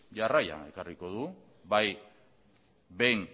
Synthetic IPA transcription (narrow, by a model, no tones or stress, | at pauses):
ʝaraja̰e̞kariko̞ðu | βaj | ben